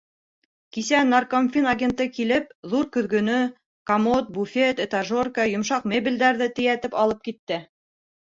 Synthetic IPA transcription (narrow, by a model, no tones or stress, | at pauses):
kisænarkomfʲinaɡʲent̪ɤkilɘp̚ðuɾkɵ̆ðɡɵ̆nɵ | kamot̪̚bufʲet̪et̪aʒorkajŏmʃɑqmʲebʲild̪æɾðɘt̪ɘ̆jæt̪ɘpɑlˠɤp̚kit̪ːɘ